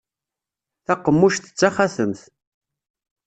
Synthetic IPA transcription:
θæqːəmːuʃθə̥t͡sːaχaθəmθ

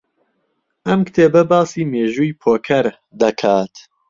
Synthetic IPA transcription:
ʔɐmkt̪ʰeːbɐbɑːsiːmeːʒuːjpʰoːkʰɐɾ | d̪ɐkʰaːt̪

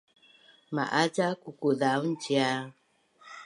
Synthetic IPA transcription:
ma̰ʔad͡ʒakukuðaunt͡ʃia

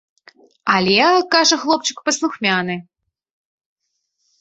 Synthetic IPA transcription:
alʲɛkaʐɐxlˠɔp̚t͡ʃɨkpɐslˠuxmʲanɨ

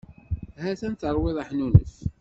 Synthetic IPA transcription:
hæθænt̪əɾˤwɪðˤaħnunə̰θ

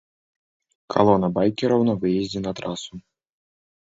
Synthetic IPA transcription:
kʰa̰lˠɔnɐbajkʲɛɾɐwnɐvɨjɛzʲd͡zʲɛnɐt̪ɾasu

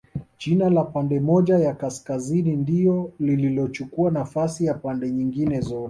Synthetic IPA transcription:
t͡ʃinalapandɛmɔʄajakaskazinindiɔlililɔt͡ʃukuanafasijapandɛɲiŋɡinɛzɔɾ

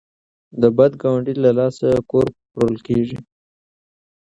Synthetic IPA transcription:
d̪əbad̪ɡɑwaɳɖilalɑsakoɾpɾolkeʐi

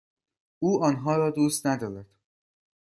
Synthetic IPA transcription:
uːɒːnɦɒːɾɒːd̪uːst̪næd̪ɒːɾæd̪̥

